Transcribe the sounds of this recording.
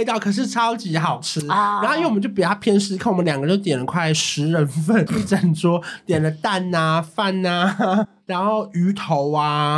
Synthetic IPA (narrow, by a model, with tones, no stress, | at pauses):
ɪt̪ɑ˥˩ʊkʰɤ˨˩ʂ̬ɻ̩˥˩ʈ͡ʂʰɑ˥ʊt͡ɕi˧˥xɑ˨˩ʊʈ͡ʂ̩ʰ˥a˧nxo˥˧i˥wwm˧˦t͡ɕjo˥˩pi˨˩t̪ʰa˥pʰjɛ˥nʂɻ̩˥kʰa˥˩˨wmə˦nljɑ˨˩ŋɡə˦˧t͡ɕjo˥˩ʊt̪jɛ˨˩nlə˦kʰwa˥˩ɪʂɻ̩˧˦˥ɻə˧˦nfə˥˩n˥˩ʈ͡ʂə˨˩nʈ͡ʂwɔ˥t̪jɛ˨˩nlə˦t̪a˥˩na˧fa˥˩na˧ɻa˧˥nxo˥˩ʊy˧˥t̪ʰo˧˦ʊa˧